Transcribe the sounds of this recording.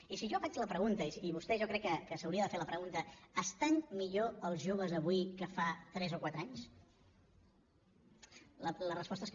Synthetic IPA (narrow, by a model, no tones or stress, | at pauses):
isiʒɔfat͡ʃləpɾəɣunt̪əisiβust̪ɛʒɔkɾɛkːəkəsəwɾiəðəfeɾləpɾəɣunt̪əəst̪anmiʎoəlˠzʒoβ̞əzəβuikəfat̪ɾɛzokwat̪ɾaɲs | lələrəspɔst̪əes